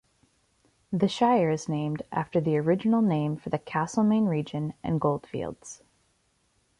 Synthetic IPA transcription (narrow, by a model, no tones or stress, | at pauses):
ðɨʃaɪə˞ɨznẽɪ̃mdæ̰ftə˞ðiə˞ɪd͡ʒɨn̩l̩ˠnẽɪ̃ɱfə˞ðɨkʰæsl̩ˠmẽɪ̃nɹid͡ʒɨ̃nʔɨ̰̃nɡoʊlˠd̥fḭlˠdz̥